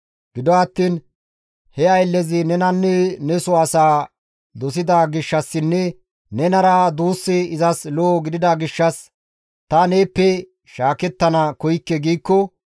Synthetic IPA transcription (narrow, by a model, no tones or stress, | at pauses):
ɡ̥ɪd̪ɔɐt̪ːiːn | hɛɐjlːɛzɪnɛnɐnːɛnɛsɔɐsaː | d̪ɔs̬ɪd̪aɡɪʃːɐsːɪnːɛ | nɛnɐɾɐd̪uːsːɪɪzɐsloːɡɪd̪ɪd̪ɐɡɪʃːɐs | t̪ɐneːpːɛ | ʃaːkɛt̪ːɐnɐkɔjkːɛɡiːkːɔ